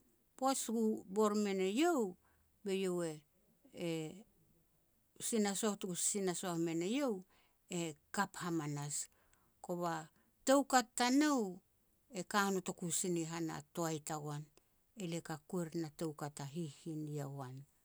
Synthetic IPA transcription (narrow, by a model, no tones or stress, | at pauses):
po̞sɡubo̞ɾme̞ne̞jo̞w | be̞jo̞we̞ | sinasotɡusinasoahme̞ne̞jo̞w | e̞kaphamanas | ko̞βa | tewkatːanow | e̞kanoto̞kusiniɦana̰to̞ajtaɡwan | e̞lekakue̞ɾnate̞wkatːaɦihiniawan